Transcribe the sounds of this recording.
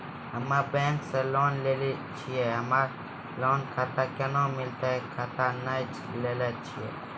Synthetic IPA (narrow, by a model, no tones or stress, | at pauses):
ɦəmãːbẽːŋkseːloːnleːlit͡ʃʰieːɦəmaː | loːnkʰaːt̪aːkənõːmɪlt̪eːkʰaːt̪aːnət͡ʃ | leːlaːt͡ʃʰiḛː